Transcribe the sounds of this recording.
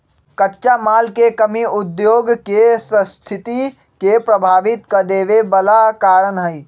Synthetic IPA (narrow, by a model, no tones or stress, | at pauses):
kətːʃamaːlkekəmiud̪joɡkesə̃st̪ʰit̪i | kepɾəbʱaːʋit̪kəd̪eːʋebəlakaːɾənɦəj